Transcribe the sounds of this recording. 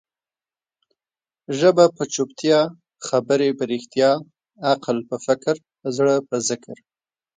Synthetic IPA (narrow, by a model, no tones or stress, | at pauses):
ʒəbapət͡ʃupt̪jɑ | xabəɾebəɾixt̪jɑ | aqlpəfɪkɾ | zɽəpəzɪkɾ